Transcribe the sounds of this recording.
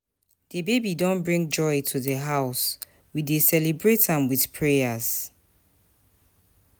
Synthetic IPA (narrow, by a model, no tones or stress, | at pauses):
dəbebidɔ̃nbɹĩŋd͡ʒɔɪtʰuðəɦaʊs | widesɛlibɹetãmwiðpʰɹɛaz̥